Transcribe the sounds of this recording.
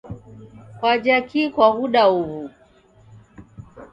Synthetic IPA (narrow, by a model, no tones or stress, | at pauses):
kwad͡ʒakikwaɣuɗauβu